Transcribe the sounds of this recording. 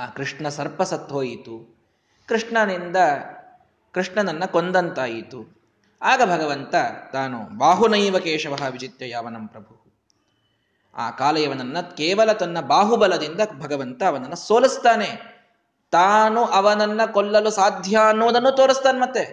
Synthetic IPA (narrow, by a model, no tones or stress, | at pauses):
aːkɾiʂɳɐsɐɾpɐsɐt̪ɦoːjit̪u | kɾiʂɳɐnind̪ɐ | kɾiʂɳɐd̪ɐnːɐkond̪ɐnt̪aːjit̪u | aːɡɐbʱɐɡɐʋɐnt̪ɐt̪aːnṵbaːɦunɐiːʋɐkeːʂɐʋɐɦɐʋid͡ʒit̪jɐjaːʋɐnɐmpɾɐbʱu | a̰ːkaːlɐjɐʋɐnɐnːɐkeːʋɐlɐt̪ɐnːɐbaːɦubɐlɐd̪ind̪ɐbʱɐɡɐʋɐnt̪ɐːʋɐnɐnːɐsoːlist̪aːne | t̪aːnuʔɐʋɐnɐnːɐkolːɐlusaːd̪ʱjaɐnːuʋɐd̪ɐnːuːt̪oːɾist̪aːnemɐt̪ːe